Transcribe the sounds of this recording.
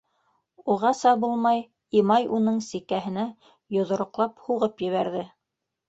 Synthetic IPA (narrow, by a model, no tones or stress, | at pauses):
uʁɑsɑbulˠmɑj | imɑjunɤɴsikæɦɘ̆næ | jŏðŏɾŏqlˠɑphuʁɤpjɘ̆βæɾðɘ